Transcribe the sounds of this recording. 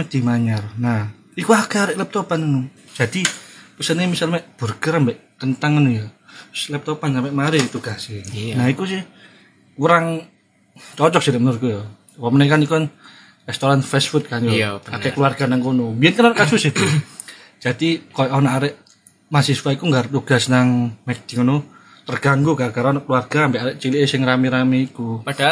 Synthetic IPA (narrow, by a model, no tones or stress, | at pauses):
d̪̥i̤maɲarna | ikuakeaɾɪʔlɛp̚t̪ɔpanənud̥ʒ̥a̤d̪̥ipəsənemisalmɛʔb̥urɡ̥əɾəmbɛʔkənt̪aŋənujɔt̪ʊslɛp̚t̪ɔpansampeʔmaɾɪit̪uɡ̥asɪnaikus̬ɪh | uɾaŋ | t͡ʃɔt͡ʃɔk̚siɾɪʔmənʊɾkujɔ | wɔmənɛkanikun | rɛst̪oɾanfɛsfut̪̚kanjɔakɛkəluarɡ̥anaŋkunumbiɛnkananaʔkat͡ʃusɪht̪u̥ | d͡ʒ̥ad̥ikɔjɔʔonaʔaɾɛʔ | masisfaikuŋɡart̪uɡ̥asnaŋmɛk̚d̪̥iŋənu | t̪ərɡ̥aŋɡukakaɾɔnɔʔkəluarɡ̥aampeʔaɾeʔt͡ʃiliʔesɪŋramiɾamiːkua